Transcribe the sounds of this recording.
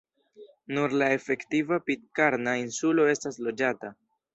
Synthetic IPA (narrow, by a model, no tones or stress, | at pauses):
nuɾlae̞fe̞ktivapit̚kaɾnainsulo̞e̞staslo̞d͡ʒata